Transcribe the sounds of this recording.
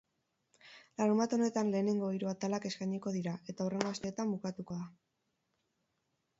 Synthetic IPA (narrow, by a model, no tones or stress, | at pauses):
laɾumbat̪o̞ne̞t̪anle̞ːne̞ŋɡo̞iɾuat̪alake̞skajɲiko̞ðiɾae̞t̪aore̞ŋɡo̞ast̪e̞ːt̪ambukat̪uko̞ða